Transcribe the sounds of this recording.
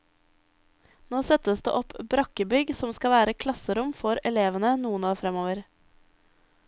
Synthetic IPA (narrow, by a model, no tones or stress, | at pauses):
noːsɛt̪əsd̪ḛːʔɔpbɾɑkəbʏɡsɔmskɑʋæːɾəkʰlɑsəɾʊmfɔɾɛleːʋənənuːənɑːɾfɾɛmoːʋəɾ